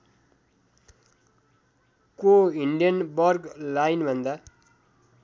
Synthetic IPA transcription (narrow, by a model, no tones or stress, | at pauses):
koiɳɖijʌnbʌrɡlajnbʱʌnd̪a